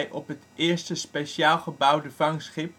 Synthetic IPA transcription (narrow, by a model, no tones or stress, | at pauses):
jʔɔpɦətʔɪːɹstəspejʃaːlˠχəbʌwdəvɑŋsχɪp̚